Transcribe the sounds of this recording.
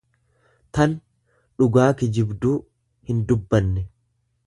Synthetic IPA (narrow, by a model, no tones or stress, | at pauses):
t̪ɐn | ᶑʊɡaːkɪd͡ʒɪbd̪uː | hɪnd̪ʊbːɐnːɛ